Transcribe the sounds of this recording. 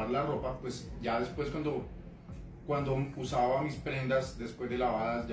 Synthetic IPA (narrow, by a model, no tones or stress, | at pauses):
ɾlaro̞papwe̞sd͡ʒaðe̞spwe̞skwand̪o | kwand̪ousaβamispɾe̞nd̪asd̪e̞spwe̞zd̪e̞laβaða